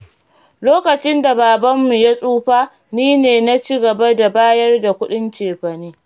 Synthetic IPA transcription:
loː˦kɐ˨t͡ʃɪ˦nda˨baː˨bɐ˦mːu˨ja˦sʼuː˦ɸaː˦ | niː˦neː˨na˦t͡ʃiː˦ɡɐ˨ba˦da˨baː˦jɐ˦rda˨kʷʊ˦ɗɪ˦nt͡ʃeː˨ɸɐ˨niː˦

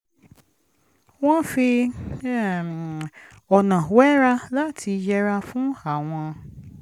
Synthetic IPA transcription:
w̃ɔ̃˦fi˧˦˨ | ɔ˨nã˨wɛ˦ɾa˦la˦tʰi˧d͡ʒɛ˦ɾa˧fũ˦a˨w̃ɔ̃˧

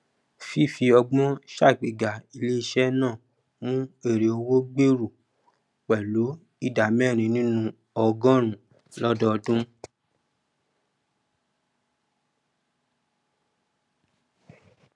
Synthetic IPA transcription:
fi˦˨fi˧ɔ˧ɡ͡bɔ̃˦ʃa˦˨ɡ͡be˨ɡa˨i˧le˦i˧ʃɛ˦nãː˦˨ | mũ˦e˦˨ɾe˨o˧wo˦ɡ͡be˦ɾu˨ | k͡pɛ˨lu˨˦ | i˦˨da˨mɛ˦˨ɾ̃ĩ˧nĩ˦nũ˧ | ɔ˧ɡɔ̃˦ɾ̃ũ˨ | lɔ˦dɔ˦˧dũ˦

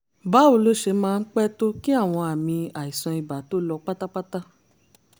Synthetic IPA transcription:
ba˨˦o˨˦lo˦ʃe˧˦mãː˧n̩˦k͡pɛ˦to˦ki˦a˦˨w̃ɔ̃˧a˨mĩ˧a˨i˨sɔ̃˧i˨ba˨to˦lɔ˧k͡pa˦ta˦k͡pa˦ta˦

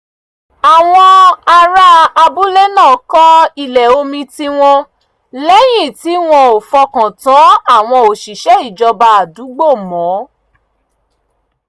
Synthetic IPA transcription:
a˨w̃ɔ̃˧a˧ɾa˧a˧bu˦le˦nãː˦˨kɔ̃˦i˧lɛ˨o˧mĩ˧ti˦w̃ɔ̃˧ | lɛ˦j̃ĩ˦˨ti˨˦w̃ɔ̃˧˦o˨fɔ˧kã˨tã˨˦a˦˨w̃ɔ̃˧o˨ʃi˨ʃɛ˨˦i˦˨d͡ʒɔ˧ba˧a˨du˨˦ɡ͡bo˦˨mɔ̃˨˦

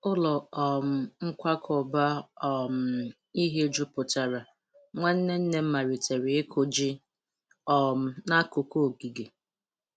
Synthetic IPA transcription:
ʊ˦lɔ˨ɔ˨m̩˨ŋ̩˦kʷa˦kʰɔ˨ba˦ɔ˨m̩˨˦ | i˦ɦe˦d͡ʒu˦pʊ˨ta˨ɾa˨ | ŋʷa˦n̩˦ne˦n̩˦ne˦m̩˦ma˨ɾi˨tʰe˨ɾɪ˨ɪ˦kʰʊ˨d͡ʒi˦ | ɔ˨m̩˦na˦kʊ˨ko˦o˨ɡi˨ɡe˨

